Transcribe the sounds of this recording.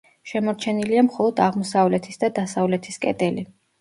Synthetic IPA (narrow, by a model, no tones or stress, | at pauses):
ʃɛmɔɾt͡ʃʰɛniliamχɔlˠɔd̪aʁmɔsavlɛt̪ʰisd̪ad̪asavlɛt̪ʰiskʼɛ̰d̪ʼɛli